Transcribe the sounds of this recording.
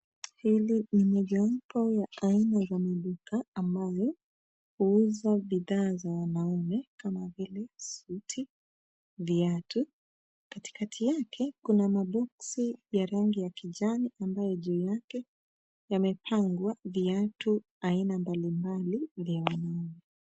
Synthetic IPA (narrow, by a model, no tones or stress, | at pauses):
hilinimɔʄapʰɔjaainazamiɗukaːmbajɔ | huuzaviðaːzawanaumɛkamavilɛsutʰi | viatu | kati̥katʰijakʰɛkunamaɓɔksijaɾaŋɡijakiʄaniʔambajɔʄɛːjakɛ | jamɛpʰaŋɡwaviatu | ainambalimbalivjawanaumɛ